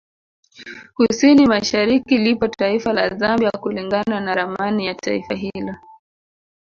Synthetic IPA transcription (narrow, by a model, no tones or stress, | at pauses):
husinimaʃaɾikilipɔtaifalazambjakuliŋɡananaɾamanijata̰ḭfaɦilɔ